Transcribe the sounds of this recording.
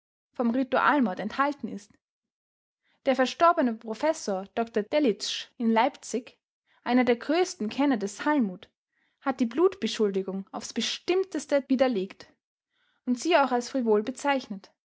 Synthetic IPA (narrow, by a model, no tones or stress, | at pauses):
fɔmʁituʔa̰ːlmɔɐtɛnthaltn̩ɪ̰st | d̥eːɐfɛɐʃtɔɐbənəpʁ̥ofɛsoːɐd̥ɔktɐd̥ɛlɪt͡ʃɪnlaɪpt͡sɪç | ʔaɪnɐdeːɐɡʁøːstn̩kʰɛnɐdɛshalmuːt | hat̚d̥iːbluːtb̥əʃʊldɪɡʊŋaʊfsb̥əʃtɪmtəstəviːdɐleːkt | ʊntz̥iːaʊxalsfʁ̥ivoːlbət͡saɪçnət